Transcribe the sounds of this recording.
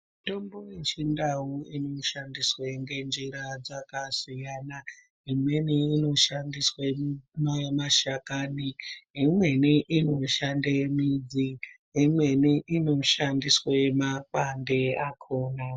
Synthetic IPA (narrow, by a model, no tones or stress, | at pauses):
tombojet͡ʃindaɦuinoʃandisweŋɡe̞nd͡ʒiɾad͡zakasijaːna | ɦimwe̞niːno̞ʃandiswemamaʃakaniɦimweniʔino̞ʃandemid͡ziɦimwe̞niʔinoʃandiswemakwandeakʰoːna